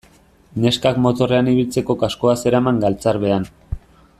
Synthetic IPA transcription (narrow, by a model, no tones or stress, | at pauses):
ne̞skakmo̞t̪o̞re̞aniβilt͡se̞ko̞kasko̞ase̞ɾamaŋɡalt͡saɾβe̞an